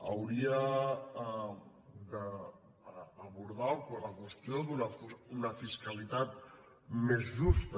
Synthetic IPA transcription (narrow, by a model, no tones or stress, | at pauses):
əwɾia | d̪ə | βuɾð̞akləkwəst̪jod̪unəfunəfiskalit̪at̪ | mezðust̪ə